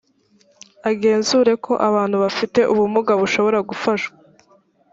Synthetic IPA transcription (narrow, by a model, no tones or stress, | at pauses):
aɡe̞ːnzuːɾe̞kʰo̞ʔaβaːn̥huβafite̞ʔuβumuɡaβuʃo̞βo̞ɾaɡufaʃɡa